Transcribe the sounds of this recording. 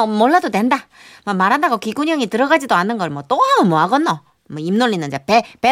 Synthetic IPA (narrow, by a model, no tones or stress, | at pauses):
moɭːadotwe̞nda | mʌmaɾɦandaɡokiɡuɲʌŋitɯɾʌɡad͡ʑidoanːɯnɡʌɭmwʌt͈omɯmoaɡʌnːo | mwʌimnoɭːinːɯnd͡ʑapepe